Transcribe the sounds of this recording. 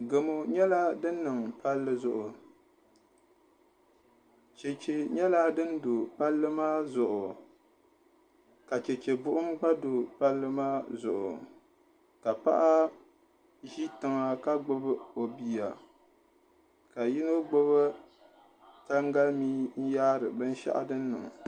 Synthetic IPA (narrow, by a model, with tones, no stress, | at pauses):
ɡo˨mo˨ɲɛ˦la˦dɨ˦nː˦ɨ˨ŋpa˦lːɨ˦zʊ˨ʔʊ˨ | t͡ʃe˨t͡ʃe˨ɲɛ˦la˦dɨ˦ndo˨pa˦lːɨ˦maː˦zʊ˨ʔʊ˨ | ka˨t͡ʃɛ˨t͡ʃe˨bʊ˦ʔʊ˦mka˦do˨pa˦lːɨ˦maː˦zʊ˨ʔʊ̰˨ | ka˨pa̰˦ʔa˦ | ʒi˦tɨ˨ŋa˨ka˦ɡ͡bʊ˦bɨ˦o˨bi˨ja̰˨ | ka˨ji˦no˦ɡ͡bʊ˦βɨ˦ | ta˦ŋɡa˦lmiː˦n̩˦jaː˦ɾɨ˨bɨ˦n˦ʃa̰˦ʔa̰˦dɨ˦nː˦ɨ̰˨ŋ˨